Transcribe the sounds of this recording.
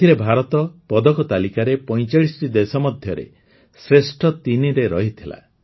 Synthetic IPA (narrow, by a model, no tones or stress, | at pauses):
iɾebʱaɾɔt̪ɔpɔd̪ɔkɔt̪alikaɾepɔj̃t͡ʃaɭisʈid̪esɔmɔd̪ʱjɔɾḛ | sɾesʈʰɔt̪iniɾeɾɔɦit̪ʰila̰